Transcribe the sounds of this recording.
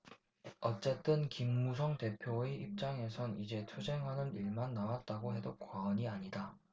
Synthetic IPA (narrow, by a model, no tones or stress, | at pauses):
ʌt͡ɕ͈e̞t͈ɯnkimːusʰʌŋte̞pʰjoeʔip̚t͡ɕ͈aŋe̞sʰʌnid͡ʑe̞t͡ɕʰud͡ʑe̞ŋɦanɯniɭmanːawat̚t͈aɡoɦe̞dokwaʌɲiaɲida